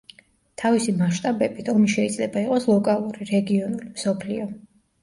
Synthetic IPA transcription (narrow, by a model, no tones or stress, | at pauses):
t̪ʰavisimaʃt̪ʼabɛbit̪ʰɔmiʃɛid̪zlɛbaiqʼɔslˠɔkʼalˠuɾiɾɛɡiɔnulimsɔpʰliɔ